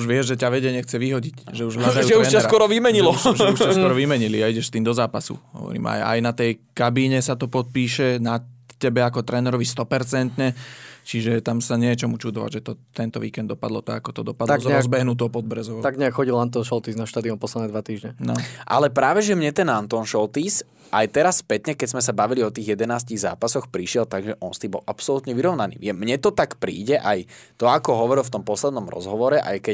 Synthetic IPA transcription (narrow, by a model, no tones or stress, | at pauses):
uʒʋɪɛʒʒɛcaʋɛɟɛɲɛxt͡sɛʋiɦɔɟicʒɛuʒɦlad̪ajuʒɛuɾɛasɾawɔɾɔʋimɛɲilɔuʃaskwɔɾɔʋimɛɲiliaiɟɛʃst̪iːmd̪ɔzaːpasṵɦɔ̰ʋɔ̰ɾḭːma̰ja̰jnat̪ɛjkabiɲɛsat̪ɔpɔt̪̚piːʃɛnacɛbɛakɔt̪ɾʔɛːnɛɾɔʋist̪ɔpɛɾt͡sɛnt̪ɲɛt͡ʃiʒɛt̪amsaɲɛjɛt͡ʃɔmut͡ʃud̪ɔʋa̰ɟʒɛt̪ɔt̪ɛnt̪ɔʋiːkɛnd̪ɔpad̪lɔt̪aɡakɔt̪ɔd̪ɔpad̪aɔzɲɛɾɔazbɛɦnut̪̬ɔpɔd̪̚bɾɛzɔʋt̪aɡɲɛakxɔɟilant̪ɔnʃɔlt̪iːznaʃt̪aːd̪iɔmpɔslɛd̪ɛd̪ʋat̪iːʒɲɛnɔʔa̰lɛpɾaːʋɛʒɛmɲɛt̪ɛnant̪ɔnʃɔlt̪iːs | ʔajt̪ɛɾasspɛt̪ɲɛkɛɟzmɛs̬abaʋiliɔt̪iːɣjɛd̪ɛnaːsciːɣza̰ːpasɔxpɾiʃɪɛlt̪aɡʒɛʔɔnst̪iːbɔ̰lʔapsɔlut̪ɲɛʋiɾɔʊnanḭːʋɪɛmɲɛt̪ɔt̪akpɾḭːɟɛʔajt̪ɔakɔɦɔʋɔɾilˠft̪ɔmpɔslɛd̪nɔmɾɔ̰zɦɔʋɔɾɛʔa̰jkɛ